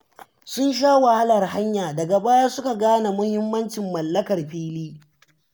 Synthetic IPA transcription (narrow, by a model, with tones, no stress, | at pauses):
sʊ˦nʃ̬aː˦wɐ˨ha˦lɐ˨rɦa˦ɲjaː˨dɐ˨ɡa˨baː˦ja˦sʊ˦ka˨ɡaː˦na˨mʊ˦hɪ˦mːɐ˦nt͡ʃɪ˨mːɐ˨lːɐ˦kɐ˨rɸiː˦liː˦